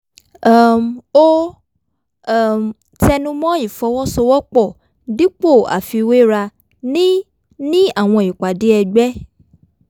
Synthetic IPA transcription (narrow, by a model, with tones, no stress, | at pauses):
mo˦˨ | m | tɛ˧nũ˦mɔ̃˦i˨fɔ˧wɔ˦sɔ˧wɔ˦k͡pɔ˦˨ | di˦k͡po˦˨a̰˨fi˧we˦ɾa˧ | nĩ˦ | nĩ˦a˦˨w̃ɔ̃˧˨i˨k͡pa˨de˨˦ɛ˧ɡ͡bɛ˦